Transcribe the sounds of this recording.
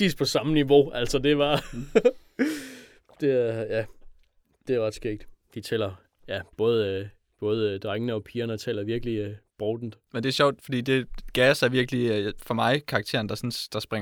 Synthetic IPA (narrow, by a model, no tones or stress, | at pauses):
ḭːspʰɒ̽sɑ̈məniʋo̝æl̰sɒd̥e̝ʋɑ̈ | d̥e̝jæ | d̥e̝æʋɑd̥sɡ̥eɡ̥̚d̥ʋ̥it͡sʰḛːl̰ɐ | jæb̥ɔ̽ːð̞̩ˠə | b̥ɔ̽ːð̞ˠəd̥ʁaŋənəɒ̽pʰiːɐnəɒt͡sʰɛːlɐʋiɐɡ̥əliøb̥ʁɔːd̥n̩d̥mend̥e̝æɐɕɒʊ̰d̥fɒ̽d̥ḭːd̥e̝ɡ̥æsæɐʋiɐɡ̥lifɒ̽mɑ̈ɪkʰɑ̈ɡ̥̚t͡sʰe̝̰ɐn̩d̥ɑ̈sɔnsd̥ɑ̈sb̥ʁaŋ